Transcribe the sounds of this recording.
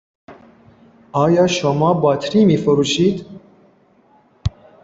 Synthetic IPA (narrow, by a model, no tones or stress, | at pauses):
ɒːjɒːʃomɒːbɒːt̪ʰɾiːmiːfoɾuːʃiːd̪